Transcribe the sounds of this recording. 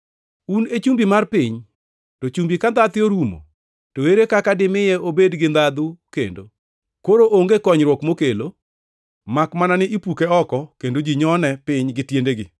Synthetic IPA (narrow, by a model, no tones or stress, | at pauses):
unet͡ʃumbimarpɪɲ | tot͡ʃumbikand̪at̪ɪoɾumo̰ | toweɾekakadɪmɪjɛobedɡɪnd̪ad̪ʊkḛndo̰ | koɾoʔoŋɡekɔɲɾwɔkmokelo | makmananɪʔipukeɔkɔkendod͡ʒiɲɔnɛpɪɲɡɪtjendeɡɪ